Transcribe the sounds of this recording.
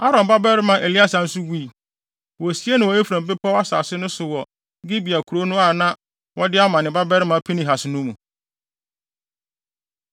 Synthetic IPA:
a˦ɾɔ̃˨mba˦bɛ˦ɾɪ˦mã˨ʔe˨li˦a˦sã˨n̩˦sʊ˦wiː˦˨ | wɔ˨si˦e˦nã˨wɔ˨˦e˦fɾã˨m˨bɪ˦pʰa˦wa˦sa̰˨sɪ˦nʊ̃˦sʊ˨wɔ˨ | ɡɪ˦bi˨a˨kʰu˨ɾo˦nʊ̃˦a˨nã˦ | wɔ˦dɪ˦a˦mã˨nɪ̃˨ba˦bɛ˦ɾɪ˦mã˨pʰi˦nɪ̃˨ɦa˨sɪ˨nũ˦mũ˨

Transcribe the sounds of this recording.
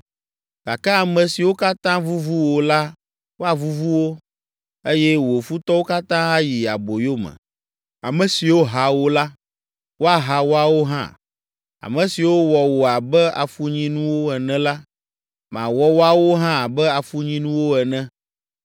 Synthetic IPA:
ɡ̥a˨kɛ˦a˨mɛ̃˨si˨wo˦ka˦t̪ã˦vu˦vu˦wo˨la˦ | wo˦a˨vu˦vu˦wo˦ | e˦jɛ˦wo˨fu˦t̪ɔ˦wo˦ka˦t̪ã˦a˦ji˨a̰˨bo˨jo˦mɛ̰̃˨ | a˨mɛ̃˨si˨wo˦ɦa˨wo˦la˦ | wʔo˦a˨ɦa˨wo˦a˨wo˦ɦã̰˦˨ | a̰˨mɛ̃˨si˨wo˦wɔ˨wo˨a˨bɛ˦a̰˨fu˦ɲĩ˦nũ˦wo˦ɛ˨nɛ̃˦la˦ | mã̰˨wɔ˦wo˦a˦wo˦ɦã˦˨bɛ˦a˨fu˦ɲĩ˦nũ˦wo˦ɛ˨nɛ̃˦

